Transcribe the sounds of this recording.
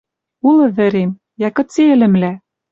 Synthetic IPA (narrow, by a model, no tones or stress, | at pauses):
ulɤ̆βɘ̆ɾem | jækɤ̆t͡seɘ̆lɘ̆mlæ